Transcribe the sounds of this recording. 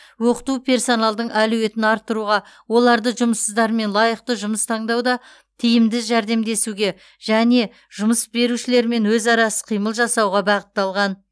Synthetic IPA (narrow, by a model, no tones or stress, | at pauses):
wo̞qə̥t̪upʰe̞ɾso̞nɑlˠd̪əɴæluwe̞t̪ɪnɑɾt̪ːəɾuʁɑ | wo̞lˠɑɾd̪əʒʊməsəzd̪ɑɾme̞nlˠɑjəq̚t̪əʒʊməst̪ʰɑɴd̪ɑwd̪ɑ | t̪ʰijɪmd̪ɪʒæɾd̪e̞md̪e̞suɡʲe̞ | ʒ̥æne̞ | ʒʊməsbe̞ɾuʃɪle̞ɾme̞nwɵzɑɾɑsə̥qʰijməlˠʒɑsɑwʁɑbɑqə̥t̪ːɑlˠʁɑn